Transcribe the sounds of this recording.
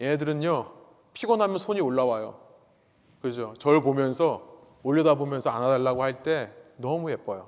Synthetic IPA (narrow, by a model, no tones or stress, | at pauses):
jeɦedɯɾɯɲo | pʰiɡʌnɦamjʌnsʰoɲioɭːawajo̰ | kɯd͡ʑot͡ɕʌɭpomjʌnsʰʌ | oʎːʌdabomjʌnsʰʌanɦadaɭːaɡohaɭt͈e̞nʌmujep͈ʌjo